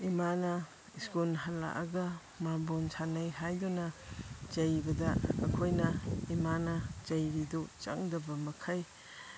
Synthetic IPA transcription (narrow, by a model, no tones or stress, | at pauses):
imanɐ | iskunɦala̰ʔaɡɐ | mambonsʰanajɦajdonɐd͡ʒɐjbɐdɐːkʰojnɐimanɐd͡ʒɐjɾidut͡ʃɐ̰ŋdɐbɐmɐkʰaj